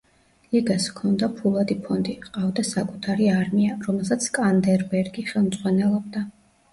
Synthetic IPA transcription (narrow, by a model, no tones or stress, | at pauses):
liɡaskʰɔnd̪apʰulˠad̪ipʰɔnd̪iqʼavd̪asakʼut̪ʰaɾiaɾmiaɾɔmɛlˠsat̪sʰkʼand̪ɛɾbɛɾɡiχɛlˠmd̪zʼʁwanɛlˠɔb̚d̪a